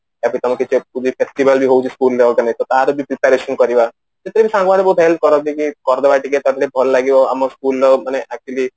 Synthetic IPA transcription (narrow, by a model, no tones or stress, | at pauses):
apɽĩt̪ɔmaket͡ʃekud̪ʱipʰesʈibəlbʱiɦout͡ʃʰiskuld̪eɔlt̪anait̪ɔt̪aɾɔbʱipɾipaɾeʃənkɔɾiʋa | t̪et̪ɾebʱisãŋɡʋaɽebɔut̪ɦelb̪̚kɔɾɔt̪ikikɔɾd̪eʋaʈiket̪ɔɾɾebʱɔllaɡiʋɔamɔskulːɔmaneʔak̚t͡ʃuəli